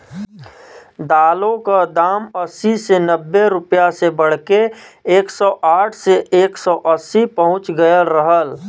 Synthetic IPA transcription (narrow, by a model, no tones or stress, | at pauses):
d̪aːlõkad̪aːməsisenəbːeɾʊpjasebəɽ̤keeːksɔʔaːʈʰseʔeːksɔʔəsːipəɦʊ̃t͡ʃɡəjəlɾəɦəl